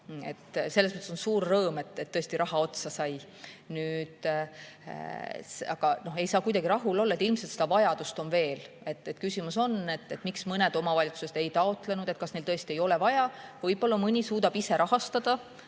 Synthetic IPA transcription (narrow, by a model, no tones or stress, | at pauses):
e̞̰t̪ːselːsmət̪ːeso̞nsuːrːɤːme̞t̪ːˑet̪ːɤest̪iɾɑɦɑo̞t̪sɑsɑj | nyːd̪̥ | sɑɡ̥ɑno̞he̞jsɑːkujd̪ɑɡiɾɑɦulo̞lːɑet̪ilmselt̪se̞d̪ɑvɑjɑd̪̥ust̪o̞nve̞ːl | e̞t̪ːet̪kysimuso̞ne̞t̪ːet̪ːˑmiksmɤne̞d̪o̞mɑvɑlʲit̪su̥set̪e̞jt̪ɑo̞t̪ˑle̞nud̪̥e̞t̪̚kɑsnejlt̪ɤest̪ie̞jo̞le̞vɑjɑvɤjbo̞lːɑmɯnʲisuːd̪ɑb̥ise̞ɾʔɑhɑst̪ɑd̪̥ɑ